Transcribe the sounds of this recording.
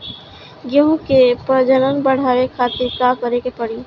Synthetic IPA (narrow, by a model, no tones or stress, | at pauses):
ɡəɦũkepəd͡ʒənənbəɽ̤aːʋekʰaːt̪iɾkakəɾekepəɽi